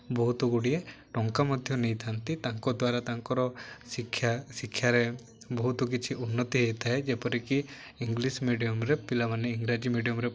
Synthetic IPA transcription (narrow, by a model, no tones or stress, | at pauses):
bɔɦut̪ɔɡuɽijeʈɔŋkamɔd̪ʱjɔnejt̪ʰant̪it̪aŋkɔd̪waɾat̪aŋkɔɾɔsikʰːjasikʰːjaɾɛ | bɔɦut̪ɔk̬it͡ʃʰiʔunːɔt̪iɦejt̪ʰaɦɛd͡ʒɛpɔɾiki | iŋɡlismiɖijɔmɾɛpilamaniiŋɡɾad͡ʒimiɖijɔmɾɛ